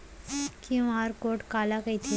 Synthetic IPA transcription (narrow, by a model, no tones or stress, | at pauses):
kĩaːɾkoːʈkaːlakɐit̪ʰi